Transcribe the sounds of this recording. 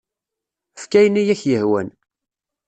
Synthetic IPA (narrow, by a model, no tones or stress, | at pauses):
əfkæjnijæçjəhwæ̰n